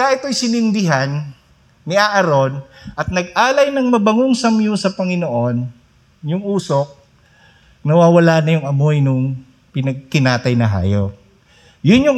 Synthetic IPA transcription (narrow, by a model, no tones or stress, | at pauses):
aʔɪt̪o̞jsɪnɪnd̪ɪɦanː | ɪʔaʔɐɾo̞nʔɐt̪̚nɐɡ̚ʔaːlɐjnɐŋmɐbɐŋʊŋsɐmjusɐpɐŋɪnoʔo̞n | jʊŋuːsok̚ | nɐwaːwɐlanɐjʊŋɐmojnʊŋ | pɪnɐɡ̚kɪnaːt̪ɐjnɐɦa̰ːjo̰k̚ | jʊnjʊŋ